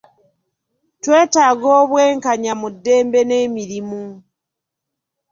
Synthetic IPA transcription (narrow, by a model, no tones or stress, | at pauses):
twe̞ːtaɡoːβweːŋkaɲamudːe̞ːmbe̞neːmiɾimu